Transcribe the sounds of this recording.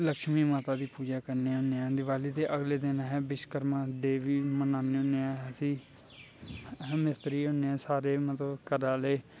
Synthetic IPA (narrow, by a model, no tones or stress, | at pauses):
ləkʃmiːmaːt̪aːd̪iːpuːd͡ʒaːkəɾneːʊneːãːd̪ɪʋaːliːt̪eːʔəɡleːd̪ɪnãːɦɛːbɪʃkəɾmãːɖeːʋiːmənaːneːʊneãːɦsĩː | mɪst̪ɾiːõneãːsaːɾeːmət̪ləbkəɾãːleː